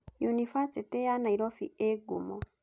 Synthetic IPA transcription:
junifasetejanaiɾofḭeɡumo

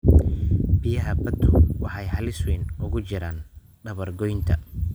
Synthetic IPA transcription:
bɪjɐɦɐbɐd̪ʰʊwɑħɑjhɐlɪswiːnʊɣʊt͡ʃɪɾaːn | ɖɐβɐrɡɔjnt̪ʰɐ

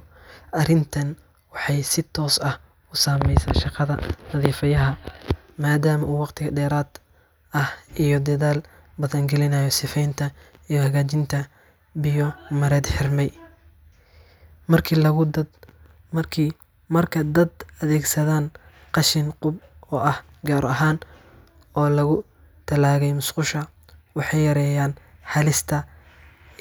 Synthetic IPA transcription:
ʔɐrɪnt̪ʰɐn | wɑħɑjsɪt̪ʰɔːsɐh | ʊsaːmɛjsa̰ːnʃɑqɑðɐ̰nɐðiːfɐjɐɦɐ | maːd̪aːmɐʔuːwɑqt̪ʰɪɣɐɖɛːɾaːd̪ | ɐhijɔd̪ɐðaːl | bɐðɐŋɡɛlɪnɐjɔsɪfɛjnt̪ʰɐ | ijɔhɐɣaːt͡ʃɪnt̪ʰɐ | bɪjɔmɐɾɛːd̪ħɪrmɛj | mɐrkʰːlɐ | ɐkʰː | mɐrkʰɐd̪ɐd̪ɐðɛːɡsɐðaːn | qɑʃɪnqʊbɔːʔɐh | ɡaːɾɐɦaːn | ɔːlɐɣʊ | t̪ʰɐlaːɣɛjmʊsqʊʃɐ | wɑħɑjjɐɾɛːjaːnħɑlɪst̪ʰɐ

